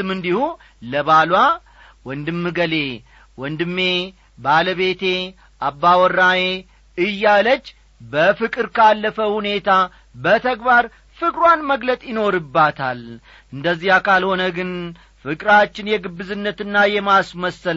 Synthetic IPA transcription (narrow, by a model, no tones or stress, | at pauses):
ɨmɨnd̪ihu | ləβalwa | wɔnd̪ɨmːɨɡəle̞ | wɔnd̪ɨmːe̞ | baləβe̞t̪ʰe̞ | ʔabːawɔrːaje | ɨjːalət͡ʃː | bəfɨkʼɨɾkʰalːəfəhune̞t̪ʰa | bət̪ʰəɡbaɾ | fɨkʼɾwanməɡlət̪ʼjɪno̞ɾɨbːat̪ʰal | ʔɨnd̪əzːihakʰalho̞nəɡɨn | fɨkʼɾat͡ʃːɪnjɛɡɨbːɨzɨnːət̪ɨnːajɛmasməsːəl